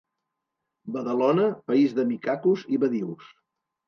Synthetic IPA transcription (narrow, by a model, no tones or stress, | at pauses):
bəðəlɔnəpəizðəmikakuziβəðiws